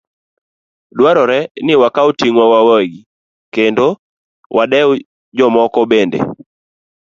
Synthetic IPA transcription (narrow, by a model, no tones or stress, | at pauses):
dwaɾɔɾɛnɪwakaotiŋwɔwawɛɡi | kendo | wʔadɛw | d͡ʒɔmɔkɔbendḛ